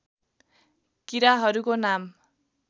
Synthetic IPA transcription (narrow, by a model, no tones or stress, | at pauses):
kiɾaɦʌɾukonam